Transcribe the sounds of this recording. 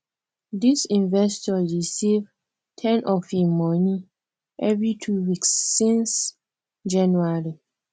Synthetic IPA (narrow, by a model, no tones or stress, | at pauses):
disĩnvɛstɔɹisiv | tʰɛ̃nʔɔfhĩmːɔnĩ | ʔɛvɹitʰuwiksːĩns | d͡ʒɛ̃nuaɹi